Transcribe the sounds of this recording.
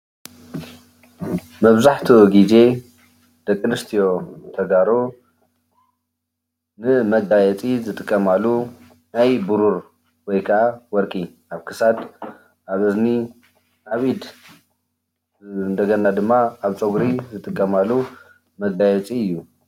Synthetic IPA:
mɐβzaħt̪ʰoɡize̞ | d̪̥ɐkʼːɨnɨst̪ʰijo̞t̪ʰɐɡaɾo | nɨmɐɡajɛt͡sʼizɨt̪ʼɨkʼːɐmalːu | najbuɾuɾ | wɔjkʰɐʔawɔɾkʼi | aβkʰɨsad̪ | ʔaβɨzni | ʔaβid̪ | nd̪ɐɡɐnad̪ɨmːaːβt͡sʼoɡɾizɨt̪ʼɨkʼːɐmalːu | mɐɡajɛt͡sʼiɨjːu

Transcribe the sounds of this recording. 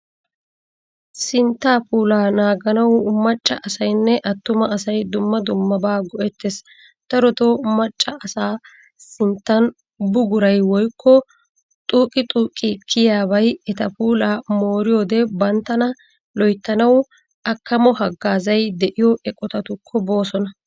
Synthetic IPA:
sɪnt̪ːaːpuːlaːnaːɡɐnɐwmɐt͡ʃʼːɐʔɐsɐjnːɛʔɐt̪ːʊmɐʔɐsɐjd̪ʊmːɐd̪ʊmːɐbaːɡɔʔɛt̪ːes | t̪ɐɾɔt̪omɐt͡ʃʼːɐʔɐsaː | sɪnt̪ːɐn | bʊɡʊɾɐjwɔjkʰːɔ | t̪ʼuːkʼɪt̪ʼuːkʼɪkʰːɪjaːβɐjɛt̪ɐpuːlaːmo̞ːɾɪjoːd̪ɛbɐnt̪ːɐnɐ | lɔjt̪ːɐnɐw | ʔɐkʰːɐmɔhɐɡːaːzɐjd̪ɛʔɪjɔʔɛkʼɔt̪ɐt̪ʊkʰːɔbo̞ːsɔnɐ

